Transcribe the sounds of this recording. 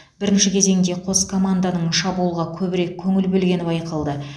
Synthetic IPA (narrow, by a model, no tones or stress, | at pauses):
bɪɾɪnʃɪkʲʰe̞ze̞ŋd̪e̞qʰo̞skʰo̞mand̪anəɴʃɑbuəlˠʁɑkʲʰɵbɪɾe̞kʲʰːɵŋɪlbɵlɡʲe̞nɪbɑjqəlˠd̪ə